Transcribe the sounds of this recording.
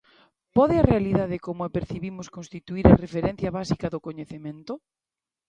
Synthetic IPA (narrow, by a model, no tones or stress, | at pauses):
pɔðɪɐrealiðaðɪkomʊapeɾθiβimʊskonst̪it̪uiɾɐrefeɾɛ̃n̟θjɐβasikɐðʊkoɲeθemẽnt̪ʊ